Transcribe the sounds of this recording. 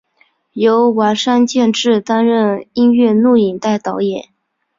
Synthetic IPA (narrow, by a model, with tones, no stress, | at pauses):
jo˧˥ʊwa˧˥ʂa˥nt͡ɕjɛ˥˧nʈ͡ʂɻ̩˥˩t̪a˥nɻə˥˩˧ni˥nɥɛ˥˧nu˥˩i˨˩ŋt̪a˥˩ɪt̪ɑ˧˥ʊjɛ˨˩˦n